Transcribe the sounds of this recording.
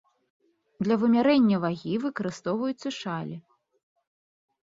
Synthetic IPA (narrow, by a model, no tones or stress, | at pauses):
d̪lʲɐvɨmʲaɾɛnʲːɐvaɣʲivɨkɐɾɨst̪ɔwvɐjut̪sːɐʂalʲi